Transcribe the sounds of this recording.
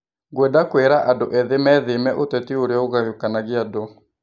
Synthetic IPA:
ɡwɛdakweɾaʔandoʔɛðemɛðemɛʔotɛtioɾjɔoɣajokanaɣeado

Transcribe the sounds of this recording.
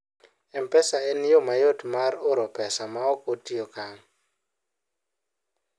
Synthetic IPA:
ɛmpɛsaenjomajotmarʊɾɔpɛsamaɔkotiokaŋ

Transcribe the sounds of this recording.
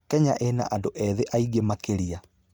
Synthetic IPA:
kɛɲa̰ʔena̰ʔandoʔɛðeʔaiɣemakeɾia

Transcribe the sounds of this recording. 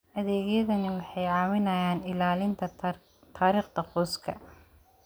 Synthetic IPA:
ʔɐðɛːɣjɐðɐnɪwɑħɑjʕɑːmɪnɐjaːnɪlaːlɪnt̪ʰɐ | t̪ʰaːɾiːχd̪ɐχɔːskʰɐ̰

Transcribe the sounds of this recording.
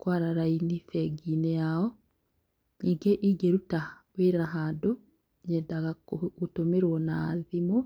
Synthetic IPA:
kwaɾaɾainifɛɡinɛaɔ | ɲiɡeʔiɡeɾuta | weɾaɦado | ɲɛdaɣakotomeɾwɔnaːðimo

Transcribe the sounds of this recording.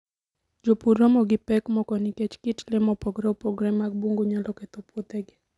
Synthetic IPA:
d͡ʒopuɾɔmɔɡɪpɛkmɔkɔnikɛt͡ʃkit͡ʃlɛmɔpɔɡɾɛupɔɡɾɛmaɡ̚buŋɡoɲalɔkɛt̪opot̪ɛɡɪ

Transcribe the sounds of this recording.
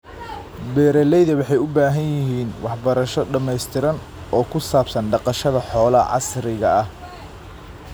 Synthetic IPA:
bɛːɾɛlɛjðɐwɑħɑjʊbaːɦɐnjɪɦiːnwɑħbɐɾɐʃɔɖɐmɛjst̪ʰɪɾɐn | ɔːkʰʊsaːbsɐnɖɑqɑʃɐðɐħɔːlɐʕɑ̰sɾɪɣɐɐh

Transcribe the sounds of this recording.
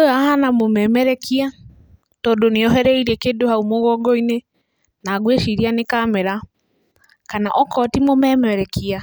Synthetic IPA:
ojahanamomɛmɛɾɛkʰia | tɔːdoneɔɦɛɾɛiɾiɛkedohaumoɣɔɡɔine | naːɡweʃiɾianekamɛɾa | kanaʔɔkɔtimomɛmɛɾɛkʰia

